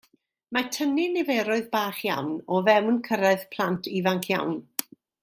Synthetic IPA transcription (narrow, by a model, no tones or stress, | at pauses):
matʰənɪnɛvɛɾʊɨðbaːχja̰wnɔvɛwnkʰəɾaɨðpʰl̥ˠantʰivaŋkʰja̰wn